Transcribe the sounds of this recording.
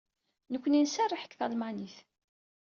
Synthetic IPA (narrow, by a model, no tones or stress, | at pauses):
nəkʷːəninsærːiħə̥kːθælmaniθ